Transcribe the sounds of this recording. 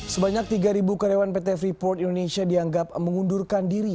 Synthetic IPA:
səbaɲak̚t̪iɡaɾibukaɾewanpet̪ɛɛfɾipɔrt̪indonesiadiaŋɡap̚məŋundurkandiɾi

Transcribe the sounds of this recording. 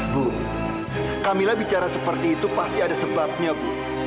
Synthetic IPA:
bu | kamilabit͡ʃaɾasəpərt̪iːt̪upast̪iadasəbap̚ɲabu

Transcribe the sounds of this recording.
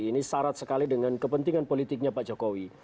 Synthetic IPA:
inisaɾat̪̚səkalidəŋankəpənt̪iŋanpolit̪ɪk̚ɲapaʔd͡ʒokowi

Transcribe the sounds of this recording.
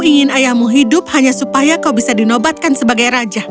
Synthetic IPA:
iŋɪnajahmuɦidʊp̚haɲasupajakawbisadinɔbat̪̚kansəbaɡajɾad͡ʒa

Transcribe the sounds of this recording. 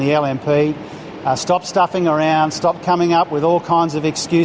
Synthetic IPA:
ðiɛlˠɛ̃mpʰi | stɑpstʌfɪ̃ŋə˞ãʊ̃nd̥stɑp̚kʰʌmɪ̃ŋʌpwɪðɔlˠkʰãɪ̃ndzʌvɨkskjʉ

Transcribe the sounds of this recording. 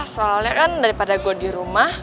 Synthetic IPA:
soaljakandaɾipadaɡodiɾumah

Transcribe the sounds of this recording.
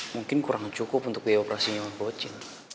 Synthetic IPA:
muŋkɪnkuɾaŋt͡ʃukʊpunt̪ʊkiɛopɾasiɲawanbot͡ʃɪŋ

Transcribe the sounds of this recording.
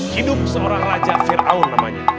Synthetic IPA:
hidʊp̚səoɾaŋrad͡ʒafiɾa̰ʊnːamaɲa

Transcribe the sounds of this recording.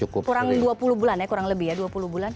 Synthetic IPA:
t͡ʃukʊkuɾaŋduapuluhbulanjakuɾaŋləbɪhjaduapuluhbulan

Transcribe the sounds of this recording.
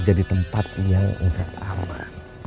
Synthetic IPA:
d͡ʒadit̪əmpat̪ijaʔṵtakama

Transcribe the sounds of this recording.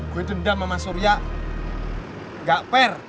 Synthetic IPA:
kuit̪udamamasuɾja | ŋɡaʔpɛr

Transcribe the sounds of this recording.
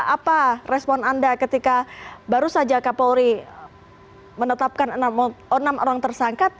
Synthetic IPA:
aparɛspɔnandakət̪ikabaɾusad͡ʒakapoɾi | mənət̪ap̚kanənamənamoɾaŋt̪ərsaŋkat̪̚

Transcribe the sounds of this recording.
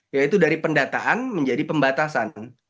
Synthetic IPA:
jait̪udaɾipəndat̪aʔanməɲd͡ʒadipəmbat̪asan

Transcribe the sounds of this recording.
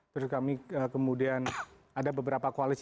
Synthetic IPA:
t̪ɾʊskamiəkəmudian | adabəbəɾapakoalis

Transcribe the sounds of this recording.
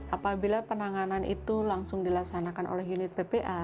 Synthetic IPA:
ʔapabilapənaŋananʔḭt̪ulaŋsʊŋdilaksanakanʔo̰lɛhjunɪt̪̚pepeʔa

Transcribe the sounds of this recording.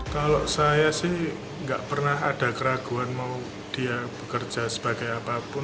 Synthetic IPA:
kaloʔsajasɪh | ŋɡaʔpərnaɦad̥a̤kəɾaɡ̥ṳanmau | d̥iab̥ə̤kərd͡ʒʒ̥a̤səb̥a̤ɡ̥ajapapʊn

